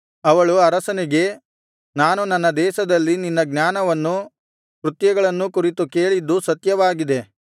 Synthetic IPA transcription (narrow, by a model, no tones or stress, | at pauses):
ɐʋɐɭuɐɾɐsɐniɡe̞ | naːnunɐnːɐd̪ɛːʃɐd̪ɐlːininːɐɡnjaːnɐʋɐnːu | kɾut̪jɐɡɐɭɐnːukuɾit̪ukeːɭid̪ːusɐt̪jɐʋaːɡid̪e̞